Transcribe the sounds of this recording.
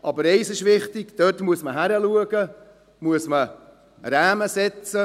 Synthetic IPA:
ʔɑbəɾɛɪsɪʃʋɪχtɪɡ̥d̥øːtmuəsməɦæɾəluəɡə | muəsmə | ɾæːməsɛt͡sə

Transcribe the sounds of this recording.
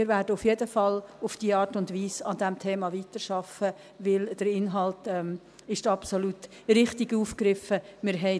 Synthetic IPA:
ɪɾʋæːɾdəʊfjedəfɑlʊfd̥iːəɑːɾtʊndʋiːsɑd̥ɛmtʰeːmɑviːtəʃɑfə | ʋɪld̥əɾɪnɦɑltɛm | ɪʃtɑpsolut | ɾɪχtɪɡuːfkɾɪfəmɪɾɦɛɪ

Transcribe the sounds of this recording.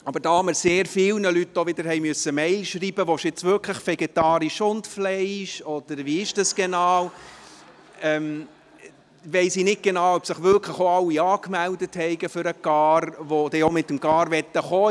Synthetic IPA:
ɑbəɾd̥ɑːɑməɾseːɾfɪlnəlytːoʋɪd̪əɾhɛɪmøsːəmɛɪlʃriːbəʋoʃɪt͡sʋʏkʰləχfɛɡɛt̪ɑːɾiʃʊntflɛɪʃɔd̥əɾʋiːɪʃd̥ɑsɡ̥ɛnɑːw | ɛm | vɛɪsinɪt̚ɡ̥ɛnɑːwœpsɪχʋʏkʰləχoɑlːiɑːkmældəthɛɪɡəfʏɾəɡ̥ɑːɾʋod̥ɛomɪt̪ːəmɡɑːɾvɛt̪ːəχoː

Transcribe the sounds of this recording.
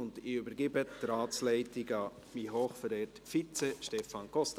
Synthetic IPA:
ʊndɪybəɾɡɪbət̪ɾaːt͡slɛɪtɪɡɑ | miɦoːχfəɾɛːtfit͡sɛʃtɛfɑnkʰɔst̪

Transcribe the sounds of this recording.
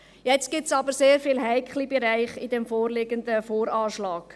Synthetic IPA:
jɛt͡st̚ɡ̥ɪtsɑbəɾseːɾfiːlɦæɪkχlibɛɾaɪχidɛmfoːrlɪɡəndəfoːɾɑːʃlɑːɡ̥

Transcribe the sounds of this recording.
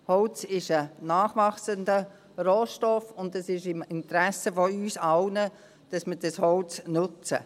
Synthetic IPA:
hɔlt͡sɪʃənaːχʋɑχsəndə | roːʃtɔfʊndəsɪʃɪmɪnt̪ɾæsəfɔyːsɑlnə | d̥ɑsmid̥ɑshɔʊt͡snʊt͡sə̰

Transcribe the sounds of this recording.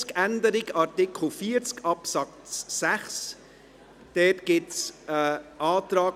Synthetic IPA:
skændəɾɪɡɑɾtɪkʰl̩fiːəɾt͡skɑpsɑkːæχs | d̥ɛtɡ̥ɪts | ʔɑːt̪ɾɑː

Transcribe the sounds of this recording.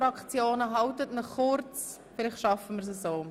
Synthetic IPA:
ɾɑkt͡sjoːnəɦɑwtətnəχχʊɾt͡s | fɪlɪχtʃɑfəmɪɾs̬əsoː

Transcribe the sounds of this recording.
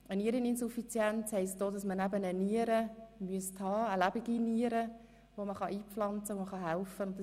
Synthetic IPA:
əniːəɾininsufit͡sjɛnt͡shɛɪst̚d̥oːdɑsmənæbənəniəɾəmyəsthɑːəlæbiɡiniəɾə | voməχɑʔiːpflɑnt͡səʋoməχɑɦælfəʊnt̚d

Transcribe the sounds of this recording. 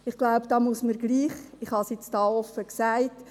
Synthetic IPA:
ɪχɡ̥laʊpd̥ɑːmusməɾɡliːχ | ɪχhɑsjɪt͡stɑːɔfːəksæɪt

